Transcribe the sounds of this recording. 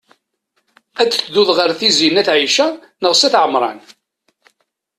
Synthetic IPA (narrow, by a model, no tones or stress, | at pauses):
æt͡sːθðuðʁəɾθizinæθʕiʃæ | nəʁsæθʕəmɾˤɑ̰n